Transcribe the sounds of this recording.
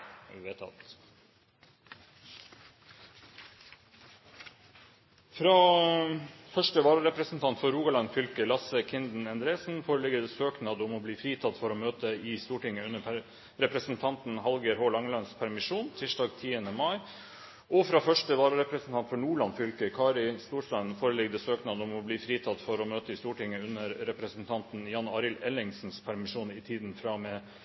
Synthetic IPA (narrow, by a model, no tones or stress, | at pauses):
ʋɪʋet̪ɑ̰t̪ | fɾɑː | fœʂʈəʋɑːɾəɾɛpɾəsn̩t̪ʰɑnt̪fɔɾuːɡɑlɑnfʏlkəlɑsəkʰɪnd̪n̩ɛnd̪ɾeːsn̩foːɾəlɪɡəd̪ɛːsøːknɑd̪ʊmɔbliːfɾiːt̪ʰɑt̪fɔɾoːmøːt̪əɪst̪uːʈɪŋːəʉnːəpʰ | ɾɛpɾəsnt̪ʰɑnt̪nɦɑlɡəɾɦoːlɑŋlɑnspʰæɾmɪʂuːnt̪ʰɪʂɖɑːɡt̪ʰiːənəmɑɪ | ʔɔfɾɑːfœʂʈəʋɑːɾɾɛpɾəsn̩t̪ʰɑnt̪fɔɳuːɭɑnfʏlkəkʰɑːɾɪst̪uːʂlɑnfoːɾəlɛɡəd̪ɛsøːknɑd̪əʊmɔbliːfɾiːt̪ʰɑt̪ːfɔɾɔmøːt̪əɪst̪uːʈɪŋːəʉnːəɾɾɛpɾəsnt̪ʰɑnt̪n̩jɑnɑːɾɪlɛlɪŋsn̩spʰæɾmɪʂuːnɪt̪ʰiːd̪nfɾɑmɛː